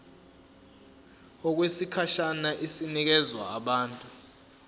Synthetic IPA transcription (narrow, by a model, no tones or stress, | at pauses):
ɔk̬wesikʰaʃanaʔisinik̬ɛzwa̰ːɓaːntʼu